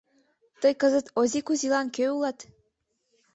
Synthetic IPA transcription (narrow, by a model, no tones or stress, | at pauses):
t̪ɤjkɤ̆zət̪ozikuzʲilˠɑnkøulˠɑt̪